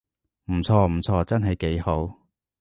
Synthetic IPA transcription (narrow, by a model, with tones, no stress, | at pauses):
m̩˨˩t͡sʰɔː˧m̩˨˩t͡sʰɔː˧t͡sɐ˥nɦɐ˨jke˨˥jho˨˥w